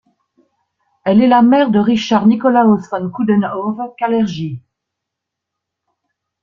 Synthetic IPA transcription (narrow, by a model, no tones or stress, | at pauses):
ɛlɛlamɛʁd̪əʁiʃaʁnikɔlaɔsɔnkud̪ɛnɔvkalɛʁʒi